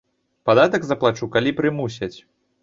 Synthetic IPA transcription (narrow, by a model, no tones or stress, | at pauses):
pad̪at̪ɐɡzɐplˠat͡ʂukalʲipɾɨmusʲɐt͡sʲ